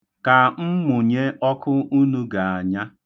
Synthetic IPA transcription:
ka˨m̩˦mʊ˨ɲe˦ɔ˦kʊ˦u˦nu˦ɡa˨a˨ɲa˦

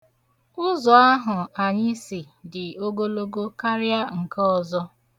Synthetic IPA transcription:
ʊ˦zɔ˨a˦ɦʊ˨a˨ɲɪ˦si˨ | dɪ˨o˦ɡo˦lo˦ɡo˦ka˦ɾja˦ŋ̩˨ka˦ɔ˨zɔ˦

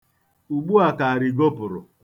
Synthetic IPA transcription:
u˨ɡ͡bu˦a˨ka˨a˨ɾɪ˨ɡo˦pʊ˨ɾʊ̰˨

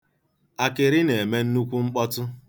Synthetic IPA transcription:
a˨kɪ˨ɾɪ˦ne˨e˨me˦n̩˦nu˦kʷu˦ŋ͡m̩˦k͡pɔ˦tʊ˦

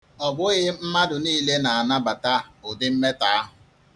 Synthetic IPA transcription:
ɔ˨bʊ˦ɣɪ˦m̩˦ma˦dʊ˨niː˦le˦na˨a˨na˦ba˨ta˦ʊ˨dɪ˦m̩˦me˦ta˨a˦ɦʊ˨

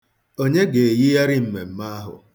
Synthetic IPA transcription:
o˦ɲe˦ɡe˨ji˦ja˦ɾɪ˦m̩˦me˨m̩˦ma˦a˦ɦʊ̰˨

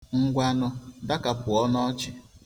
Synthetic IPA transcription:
ŋ̩˦ɡʷa˦nʊ˦da˦ka˨pʊ˨ɔ˦nɔ˦t͡ʃɪ˨

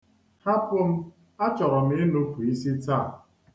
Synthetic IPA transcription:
ha˦pʊ˦m̩˦ | a˦t͡ʃɔ˨ɾɔ˨m̩˦e˦nu˦pu˨i˦si˦ta˦˨

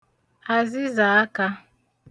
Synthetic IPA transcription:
a˨zi˦za˨a˦ka˦

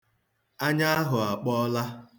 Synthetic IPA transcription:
a˦ɲa˦a˦ɦʊ˨a˨k͡pɔ˦la˦

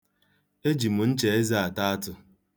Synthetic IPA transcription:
e˦d͡ʒi˨mʊ˨n̩˦t͡ʃe˨e˦zi˦a˨ta˦a˦tʊ˦

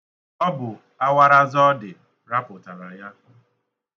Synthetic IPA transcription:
ɔ˦bʊ˨ | a˦wa˦ɾa˦zɔ˦dɪ˨ | ɾa˦pʊ˨ta˨ɾa˨ja˦

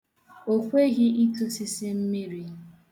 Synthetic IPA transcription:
o˦kʷe˦ɣɪ˦i˦tu˦sɪ˦sɪ˦m̩˦mi˦ɾi˦

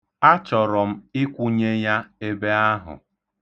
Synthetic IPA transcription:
a˦t͡ʃɔ˨ɾɔ˨m̩˦ɪ˦kʷu˦ɲe˦ja˦e˦be˦a˦ɦʊ̰˨

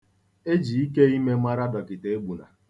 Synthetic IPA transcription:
e˦d͡ʒi˨i˦ke˦i˦me˦ma˦ɾa˦dɔ˨kɪ˨te˨e˦ɡ͡bu˨na̰˨

